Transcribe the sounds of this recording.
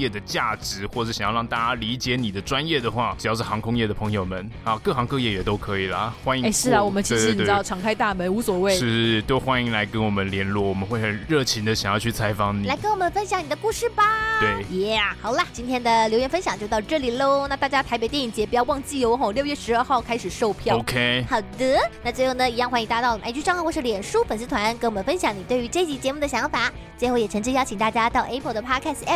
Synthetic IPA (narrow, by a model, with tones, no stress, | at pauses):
jɛ˥˩d̪ə˩t͡ɕja˥˩ʈ͡ʂɻ̩˧˥xwɔ˥˧ʈ͡ʂɤ˥˩ɕjɻɑ˥˧ŋt̪a˥˩t͡ɕja˥li˧˥t͡ɕjɛ˧˥ni˨˩d̪ə˦ʈ͡ʂwa˦˥njɛ˥˩d̪ə˩xwa˥˩ʈ͡ʂ̩˨˩jɑ˥˧ʊʂɻ̩˥˩xɑ˧˥ŋkʰʊ˥ŋjɛ˥˩d̪ə˩pʰɤ˧˥ŋjo˨˩ʊmə˨˦n | a˥˧kɤ˥˩xɑ˧˥ŋkɤ˥˧jɛ˥˩jɛ˨˩t̪o˥ʊkʰɤ˧˥i˨˩lə̰˦xwa˥ni˧˥e˥˩ɪʂɻ̩˥˩ə˩wɔ˨˩mə˦nt͡ɕʰi˥˧i˥˩˨e˥˩˥ʈ͡ʂʰɑ˨˩ŋkʰa˥ɪt̪a˥˩mə˧˥nu˧˥swɔ˨˩we˥˩ɪɻ̩˥˧˥t͡ɕ̪o˥ʊxwa˥ni˧˥ŋla˧˥ɪkə˥nwɔ˨˩mə˦nljɛ˧˥nlwɔ˥˩wɔ˨˩mə˦nxwe˥˩ɪxə˨˩nɻɤ˥˩t͡ɕʰi˧˥nd̪ə˧˨ɕjɑ˨˩ŋjɑ˥˧t͡ɕʰy˥˩t͡sʰa˧˥ɪfɑ˥˩ŋni˨la˧˥ɪkə˥nwɔ˨˩mə˧˦nfə˥nɕjɑ˨˦ŋni˨˩d̪ə˧ku˥˧ʂɻ̩˥˩ba˨t̪we˥˩ɪjɛ˥˩xɑ˨˩ʊlɐ˧t͡ɕi˥nt̪ʰjɛ˥nd̪ə˨ljo˧˥ɥjɛ˧˥nfə˥nɕjɑ˨˩ŋt͡ɕjo˥˧ʊt̪ʊʈ͡ʂɤ˥˩li˨˩lo˥ʊna˥˧t̪a˥˩t͡ɕja˥t̪ʰa˧˥pe˧˥t̪jɛ˥˩ni˩ŋt͡ɕjɛ˧˥pi˨˩jɑ˥˧ʊwɑ˥˧ŋt͡ɕi˥˩jo˧˥ʊxo˥˧˩ljo˥˧ʊɥɛ˥˩ʂɻ̩˧˥ə˞˥˧xɑ˥˩ʊkʰa˥ɪʂɻ̩˨˩ʂo˥˧ʊpʰjɑ˥ʊo˧ʊkʰe˥xɑ˨˩d̪ə˥˩na˥˩t͡swe˥˧ɪxo˥˩ʊnə˩i˧˥jɑ˥˧ŋxa˧˥ni˧˥t̪a˧t̪ɑ˥˩ʊ˨˩˥t͡ɕy˥˧ŋxkwɔ˥ʂ̩˥˩ljɛ˨˩nʂu˥pə˨˩ns̬ɹ̩˥t̪ʰwa˧˥nkwɔ˨˩mə˦nfə˥nɕjɑ˧˥ŋni˨˩t̪we˥˩ɪy˧˥ʈ͡ʂɤ˥˩i˥t͡ɕi˧˥t͡ɕjɛ˧˥mu˥˩d̪ə˩ɕjɑ˧˥ŋfa˨˩˦ | t͡swe˥˧ɪxo˥˩ʊjɛ˨˩ʈ͡ʂʰɤ˧˥ŋt͡ɕ̩ʰ˥jɑ˥ʊt͡ɕʰi˨˩ŋt̪a˥˩t͡ɕja˥t̪ɑ˥˩ʊʔɛ˥pʰə˧˥d̪ə˨pʰa˥kʰa˥˩sɛ˥˩